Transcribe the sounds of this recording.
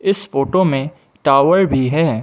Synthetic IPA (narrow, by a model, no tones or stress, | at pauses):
ɪsfoːʈomẽ | ʈaːʋəɾbʱiɦɛː